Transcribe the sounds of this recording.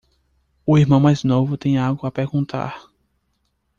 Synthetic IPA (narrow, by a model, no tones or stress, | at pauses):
ʊiɾmɐ̃w̃majznovʊt̪ẽj̃aɡʊapeɾɡũt̪ʰa̰ɾ